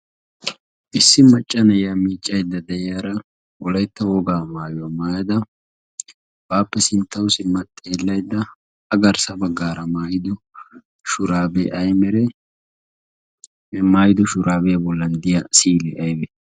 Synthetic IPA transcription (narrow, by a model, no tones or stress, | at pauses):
ʔɪsːɪmɐt͡ʃʼːɐnɐjamiːt͡ʃʼːɐjd̪ːɐd̪ɛjɪjaːɾɐ | ʔɔlɐjt̪ːɐwɔɡaːmaːjʊɐmaːjɐd̪ɐ | b̥aːpːɛsɪnt̪ʰːɐwsɪmːɐt̪ʼːe̞ːlːɐjd̪ːɐ | ɐɡɐɾsɐbɐɡːaːɾɐmaːjɪd̪ʊ | ʃʊɾaːbɛʔɐjmɛɾɛ | maːjɪd̪ʊʃʊɾʔaːbɛjɐbɔlːɐnd̪ɪjɐsiːlɛʔɐjbɛ